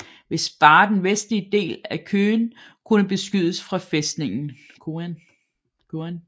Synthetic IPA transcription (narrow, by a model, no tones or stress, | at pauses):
ʋe̝sb̥ɑ̈ːd̥enʋesd̥liəd̥e̝̰ːlækʰøːnkʰunəb̥e̝sɡ̥yð̞ˠəsfʁɑ̈fesd̥ne̝ŋn̩ | kʰon | kʰoæn